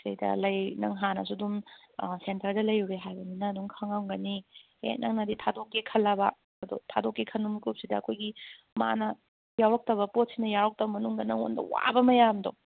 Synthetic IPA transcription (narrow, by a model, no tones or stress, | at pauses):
sɐjdɐ̰lɐjnɐ̰ŋɦanɐs̬udum | sentɐɾdɐlɐjuwɾeɦajbɐninɐːduŋkʰaŋawŋɡɐnihḛk̚nʔɐ̰ŋnɐditʰadokːekʰɐlːɐbɐ̰ | ɐdo̰tʰadokːekʰɐnumkup̚sidɐːkʰojɡi | ma̰nɐ | jawɾɐk̚tɐbɐpot̚sinɐjawɾɐk̚tɐbɐmɐnuŋɡɐnɐŋo̰ndɐ̰wa̰bɐmɐjamdo̰